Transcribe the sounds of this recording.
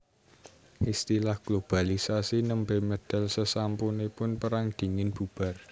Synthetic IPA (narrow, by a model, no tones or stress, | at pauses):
ʔist̪ilahɡ̥lob̥a̤lisasinəmbemed̪̥a̤lsəsampunepʊnpəɾaŋd̪̥i̤ŋɪnb̥ṳb̥a̤r